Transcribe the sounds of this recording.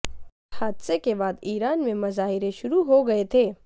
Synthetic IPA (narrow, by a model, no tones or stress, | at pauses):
haːd̪sekebaːd̪iːɾaːnmẽmɐzaːɦɪɾeʃʊɾuɦoɡɐet̪ʰeː